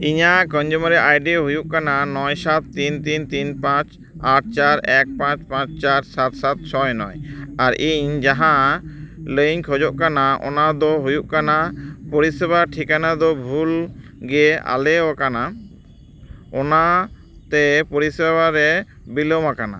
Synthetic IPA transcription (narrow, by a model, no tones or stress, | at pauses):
iɲaʔkɔɲd͡ʒumɾɛʔajɖiɦujuʔkananɔjsat̪ːint̪int̪inpãt͡ʃ | aʈ̚ʰt͡ʃaɾɛk̚pãt͡ʃpãt͡ʃt͡ʃaɾsat̪sat̪̚t͡ʃʰɔjnɔjaɾiɲd͡ʒaɦã | ləɲkʰɔd͡ʒɔʔkanaɔ̰nad̪ɔɦujuʔkanapɔɾisɛbaʈʰikanad̪ɔbʱulɡɛa̰lɛwakana | ɔna | t̪ɛpɔɾisɛbaɾɛ | bilɔmakana̰